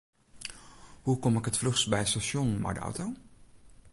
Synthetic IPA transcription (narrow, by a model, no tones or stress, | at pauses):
hukɔmɪkɦətfløχsbɛjətstaʃɔnma̰jdə̰ʔɔ̰wtow